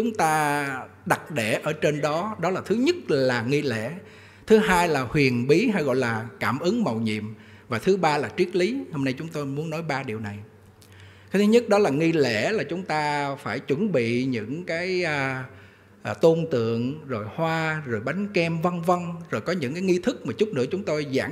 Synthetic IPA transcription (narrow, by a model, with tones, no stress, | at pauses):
t͡ɕʊ˨˦ŋ͡mt̪aː˧ | ɗa˨˩t̚ɗe˧˩ʔəː˧˩t͡ɕe˧nɗɔ˨˦ɗɔ˨˦laː˨˩t̪ʰɨ˨˦ɲə˦˥t̚laː˨˩ŋi˧lḛ˧˥˨ | t̪ʰɨ˨˦ɦaː˧jlaː˨˩hwi˨˩ənɓi˨˦ɦa˧jɣɔ̰˧˨jlaː˨˩kaː˧˩mʔɨ˨˦ŋmə˨˩wɲḭ˧˨əm | vaː˨˩t̪ʰɨ˨˦ɓaː˧laː˨˩t͡ɕwi˦˥ət̚li˨˦ho˧mna˧jt͡ɕʊ˨˦ŋ͡mt̪o˧jmu˨˦ənːɔ˨˦jɓaː˧ɗi˨˩əwna˨˩j | t̪ʰɨ˨˦ɲə˦˥t̚ɗɔ˨˦laː˨˩ŋi˧lḛ˧˥laː˨˩t͡ɕʊ˨˦ŋ͡mt̪aː˧faː˧˩jt͡ɕwə˧˩nɓḭ˧˨ɲɨ̰˧˥ŋkaː˨˦j | t̪o˧nt̪ɨ̰˧˨əŋzo˨˩jhwaː˧zo˨˩jɓa˨˦jŋ̟kɛ˧mvə˧nvə˧nzo˨˩jkɔ˨˦ɲɨ̰˧˥ŋkaː˨˦jŋi˧t̪ʰɨ˦˥k̚maː˨˩t͡ɕʊ˦˥k͡p̚nɨ̰˧˥ət͡ɕʊ˨˦ŋ͡mt̪o˧jza̰ː˧˩